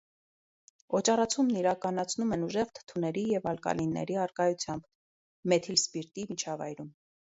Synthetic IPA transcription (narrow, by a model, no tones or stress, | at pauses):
ɔt͡ʃɑrɑt͡sʰumniɾɑkɑnɑt͡sʰnumɛnuʒɛʁt̪ʰə̥t̪ʰunɛɾijɛvɑlkɑ̰linːɛ̰ɾiɑɾkɑjut͡sʰjɑmb | mɛt̪ʰilspiɾt̪imit͡ʃʰɑvɑ̰jɾum